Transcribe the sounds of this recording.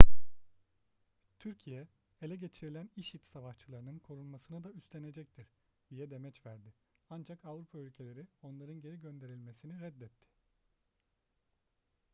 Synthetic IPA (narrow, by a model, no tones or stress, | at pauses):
t̪ʰyɾcʰijɛ | elʲɛɟe̞t͡ʃʰiɾilʲæniʃit̪savaʃt͡ʃʰɯlˠaɾɯnɯnkʰo̞ɾunmasɯnad̪ayst̪ʰe̞ne̞d͡ʒɛc̚t̪ʰiɾ | d̪̥ijɛd̪e̞mɛt͡ʃvæɾd̪ɪ | and͡ʒakavɾupʰaylʲcʰe̞lʲe̞ɾio̞nlˠaɾɯnɟe̞ɾiɟø̞nd̪e̞ɾilʲme̞siniɾɛd̪ːɛt̪ʰːɪ̥